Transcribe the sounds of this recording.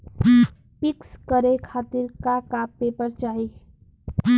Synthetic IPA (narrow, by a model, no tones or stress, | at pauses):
pikskʌɾekʰat̪iɾkakapːepʌɾt͡ʃaɦi